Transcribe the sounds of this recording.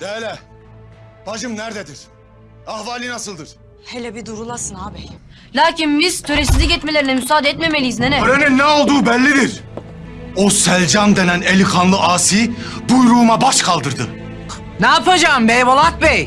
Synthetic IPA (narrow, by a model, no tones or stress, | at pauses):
d̪̥ɛːlʲɛ | b̥ad͡ʒɯmnæɾd̪ed̪iɾ̥ | ahvaːlʲinasɯlˠd̪ɯɾ̥ | helʲɛbid̪uɾulˠasɯnaːbɛj | lʲaːcinbizt̪ʰøɾesizɛɟɛt̪me̞lʲeɾinɛmysaːd̪eɛt̪me̞me̞lʲijiznɛnɛøleninːɛolˠd̪uːbɛlʲːid̪iɾ | osælʲd͡ʒand̪e̞nænelʲikʰanlˠɯʔaːsibujɾuːmabaʃkʰalˠd̪ɯɾd̪ɯ | naːpʰad͡ʒaːmbɛjbolˠat̪̚bɛj